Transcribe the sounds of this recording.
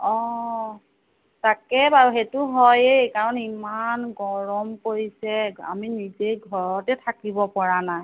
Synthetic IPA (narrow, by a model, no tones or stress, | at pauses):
ɔ | takɛbaɹɦetʊɦɔjejkaɹɔnimanɡɔɹɔmkoɹisɛa̰minizejɡʱɔɹɔtɛtʰakibɔpɔɹanaj